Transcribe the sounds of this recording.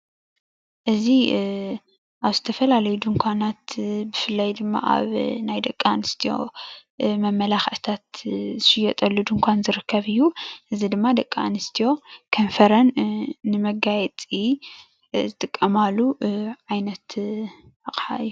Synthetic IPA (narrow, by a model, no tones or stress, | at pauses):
ʔɨzi | ʔaβzɨt̪ʰɐfɐlalɐjud̪ɨŋkʷʰanat̪bɨfɨlːɐjd̪ɨmːa̰ʔa̰βnajd̪ɐkʼːaanɨst̪ʰijo̞̰ | mɐmːɐlaxʔt̪ʰat̪zɨʃɪjɐt̪ʼɐlːud̪ɨŋkʷʰanzɨɾɨkʰːɐβɨjːuʔɨzid̪ɨmːad̪ɐkʼːaanɨst̪ʰijo̞kʰɐnfɐɾɐnːɨmɐɡajɛt͡s̪ʼi | zɨt̪ʼɨkʼːɐmalːuʕajnɐt̪ | aχʼħa̰ɨjːu